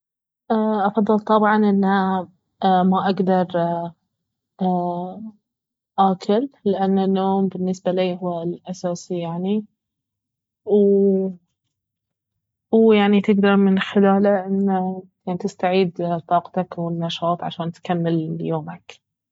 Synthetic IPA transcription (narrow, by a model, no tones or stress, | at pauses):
ʔaʔɑfɑðˤːɨlt̪ˤɑbʕɑnʔɪnːha | maʔaɡd̪ɑɾˤ | a | ʔaːkʰʊlːɪʔanːanːoːmbɪnːɪsbaliːɦʊwalʔasaːsijaʕni | w | wjaʕnit̪ɪɡd̪ɑɾˤmɪnħɪlaːlaʔɪnːa | jaʕnit̪ɪst̪aʕiːd̪t̪ˤɑːqt̪akwɪnːɑʃɑːt̪ˤʕa̰ʃaːnt̪kamːɪljoːmak